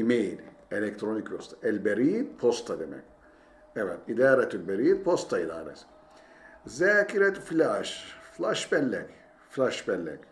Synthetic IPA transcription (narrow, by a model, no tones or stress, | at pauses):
imejl | elɛk̚t̪ʰɾonikjost̪aɛlʲbeɾiːnpʰost̪ʰad̪emɛ̰k̚ʲ | ɛvɛt̪id̪aːɾɛt̪ilbeɾiːnpʰost̪ʰaid̪a̰ːɾɛ̰s | zæːkiɾɛt̪filaʃflaʃbɛlːɛk | flaʃbɛlːɛ̰k